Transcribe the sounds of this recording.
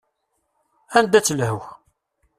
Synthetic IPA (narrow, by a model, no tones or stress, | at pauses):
ænd̪æt͡sːəlhəw